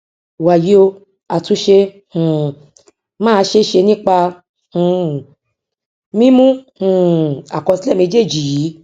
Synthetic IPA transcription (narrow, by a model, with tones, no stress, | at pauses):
wa˨ji˨˦o˧ | a˨tũ˨˧˦ʃe˧ | hũ˨ | mãː˦˧˦ʃe˧˦ʃe˧nĩ˦k͡pa˧ | hũ˨ | mĩ˦mũ˦hũ˨a˨kɔ˧si˦lɛ˦˨mĩ˧˦d͡ʒe˦˨d͡ʒi˨ji˨˦